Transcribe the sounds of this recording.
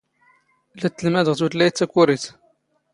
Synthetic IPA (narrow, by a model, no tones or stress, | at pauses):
læt̪ːəlmæd̪əʁt̪ut̪lːæjt̪t͡s̪ːækːuɾit̪